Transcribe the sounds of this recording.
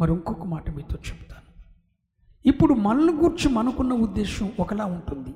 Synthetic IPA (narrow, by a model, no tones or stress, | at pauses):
mɐɾioŋkɔkːɐmaːʈɐmiːt̪o̞ːt͡ʃebu̥t̪ḁːnu | ipːuɽumɐnɐnuɡuːɾt͡ʃimɐnukunːɐud̪ːeːʃɐmɔkɐlaːuɳʈund̪i